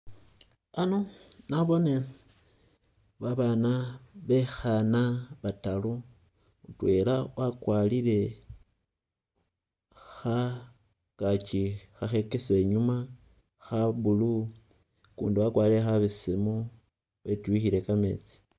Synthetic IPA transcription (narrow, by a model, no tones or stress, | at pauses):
anonaβo̞ne | βaβanaβe̞xanaβatalu | utwe̞lawʔakwaliɾe̞ | xa | kat͡ʃixaxe̞kese̞ɲuma | xaβulu | kṵːndiwakwaliɾexaβisimu | βe̞tuwixiɾe̞kame̞̰t͡si̥